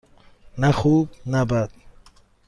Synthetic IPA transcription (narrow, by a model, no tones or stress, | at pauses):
naxuːbnabadt̪̚